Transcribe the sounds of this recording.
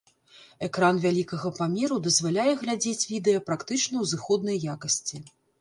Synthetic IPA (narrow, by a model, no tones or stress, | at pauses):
ɛkɾanvʲalʲikɐɣɐpamʲeɾud̪ɐzvalʲajɛɣlʲad͡zʲet͡sʲvʲid̪ɛjɐpɾakt̪ɨt͡ʂnɐwzɨxɔd̪̚nɐjːakɐsʲt͡sʲi